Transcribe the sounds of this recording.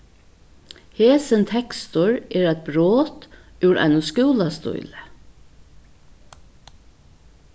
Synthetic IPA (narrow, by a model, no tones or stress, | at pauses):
heːsənt̪ʰɛkst̪ʊɹɛːɾæt̪̚bɾoːt̪ʉwɾa̰ɪnʊskuːlast̪ʊ̰jlə